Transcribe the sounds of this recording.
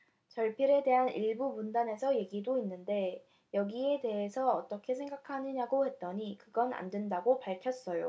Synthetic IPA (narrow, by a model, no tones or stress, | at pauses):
t͡ɕʌɭpʰiɾe̞de̞ɦaniɭbumundane̞sʰʌje̞ɡidoinːɯnde̞ | jʌɡie̞de̞ɦe̞sʰʌːt͈ʌkʰe̞sʰe̞ŋɡakʰanɯɲaɡohe̞t̚t͈ʌɲikɯɡʌna̰ndwendaɡopaɭkʰjʌs͈ʌjo̰